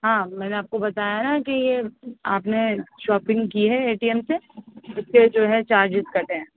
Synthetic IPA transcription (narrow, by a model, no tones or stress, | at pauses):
ɦãːmɛːneaːp̚kobɐt̪aːjanakijeaːpneʃɔːpɪ̃ŋɡkiɦɛeːʈiːɛmseʊsked͡ʒoːɦɛt͡ʃaːɾd͡ʒɪzkɐʈeɦɛ̃ː